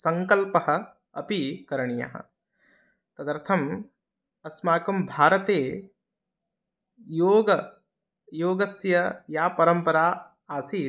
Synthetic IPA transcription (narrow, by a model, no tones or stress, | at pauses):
sɐŋkɐlpɐɦɐ̆ | ɐpikɐɾɐɳijɐ̰ɦɐ̰̆ | t̪ɐd̪ɐɾt̪ʰɐm | ɐsmaːkɐmbʱaːɾɐt̪eː | joːɡɐ | joːɡɐsjɐjaːpɐɾɐmpɐɾaː | aːsiː